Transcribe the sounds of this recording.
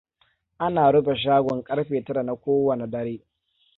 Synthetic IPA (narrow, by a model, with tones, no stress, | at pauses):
ʔa˦naː˨ɽʊ˦be˨ʃ̬aː˦ɡʷɔ˨ŋkʼɐ˦ɽɸeː˨tɐ˦ɾa˨na˨kʷoː˦wɐ˨na˨dɐ˦ɾeː˦